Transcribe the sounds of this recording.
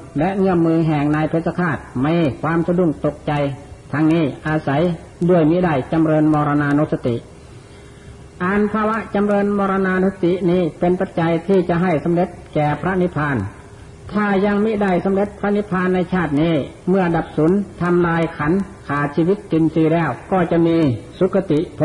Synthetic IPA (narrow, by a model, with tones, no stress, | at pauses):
lɛ˦˧˥ʔŋɯ˧˩əmmːɯː˧ɦɛː˨˩ŋnaː˧jpʰe˧˩t̪̚sa˧kʰaː˧˩t̪̚ma˧˩kʰwaː˧˨msa˧du˧˩˨ŋt̪o˧˩k̚t͡ɕa˧jt̪ʰa˧ŋniː˧˥˩ʔaː˧sa˨˦j | du˧˩əjmi˦˧˥da˧˩jt͡ɕa˧˨mɾɤː˧nmɔː˧ɾa˧naː˧no˧˥t̪sa˧t̪ḭ˨ʔ | ʔaː˨npʰaː˧wa˧˥ʔt͡ɕa˧˨mɾɤː˧nmɔː˧ɾa˧naː˧no˧˥sa˧t̪i˨ʔniː˧˥˩pe˧npa˧˦t̪̚t͡ɕa˧jt̪ʰiː˧˩t͡ɕa˧ɦa˧˩jso˨˧˦mle˧˦t̪̚kɛː˨˩pʰɾa˧˥ʔni˦˧˥pʰaː˧n | t̪ʰaː˧˩ja˧ŋmi˦˥da˧˩jsa˧˦mle˧˦t̪̚pʰɾa˧˥ʔni˦˥pʰaː˧nːa˧jt͡ɕʰaː˧˥˩t̪̚niː˧˥˩mɯ˧˩ɐda˨˧˩p̚su˨˦nt̪ʰa˧mlaː˧jkʰa˧˥n | kʰaː˨˩siː˧wi˧˥t̪ːi˧nsiː˧lɛː˧˩wkɔː˧˩t͡ɕa˧ʔmiː˧su˧˦˥kʰːa˧t̪i˨ʔpʰ